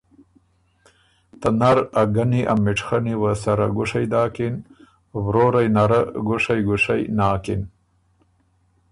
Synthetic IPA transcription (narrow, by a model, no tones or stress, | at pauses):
t̪ɐnaɾɐɡɐniʔamiʈ͡ʂxɐniwɐsɐɾaɡʊʂɐjd̪aːkin | wɾoɾɐjnɐɾaɡʊʂɐjɡʊʂɐjnaːkin